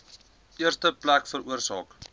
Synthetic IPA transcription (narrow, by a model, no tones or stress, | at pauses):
ʔiərstəplækfəɾuərsɑːk